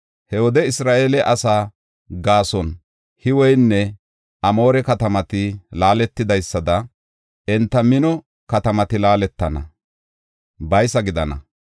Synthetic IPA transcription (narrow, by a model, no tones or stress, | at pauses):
hɛwɔd̪ɛɪsɾaːʔeːlɛʔɐsaː | ɡaːsɔn | hɪwɔjnːɛ | ʔɐmo̞ːɾɛkɐt̪ɐmɐt̪ɪlaːlɛt̪ːɪd̪ɐjsːɐd̪ɐ | ʔɛnt̪ːɐmɪnɔ | kɐt̪ɐmɐt̪ɪlaːlɛt̪ːɐnɐ̰ | bɐjsɐɡɪd̪ɐnɐ̰